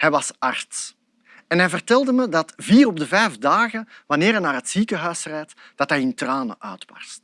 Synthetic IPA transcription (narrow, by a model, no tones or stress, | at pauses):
hɛjʋɑsɑrts | ɛnɦɛjvərtɛlˠdəmədɑtviːɾɔb̚dəvɛjvdaːɣənʋɑneːɾɦɛnaːrɦətsiːkəɦœɥsrɛjt | d̥ɑtɦɛjɪntraːnə̰ʔœ̰ːtwɑ̰s